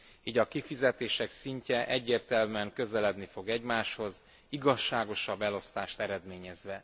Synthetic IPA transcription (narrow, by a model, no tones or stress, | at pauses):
iːɟɒkifizɛt̪eːʃɛksiɲcɛʔɛɟːeːrt̪ɛlmyɛŋkø̞zɛlɛd̪nifo̞ɡɛɟmaːʃho̞z | iɡɒʃːaːɡo̞ʃɒbːɛlo̞st̪aːʃt̪ɛɾɛd̪meːɲɛzʋɛ